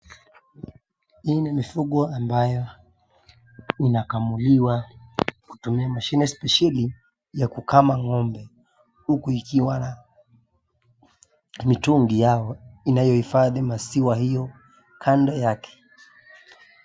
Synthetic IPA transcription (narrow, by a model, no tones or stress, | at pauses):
hiːnimifuɠɔambajɔ | inakamuliwaku̥tumiamaʃinɛspɛʃali | jakukamaŋɔmbɛ | hukuikiwana | mituŋɡijaɔinajɔhifaðimasiwahijɔ | kʰandɔjakʰɛ̥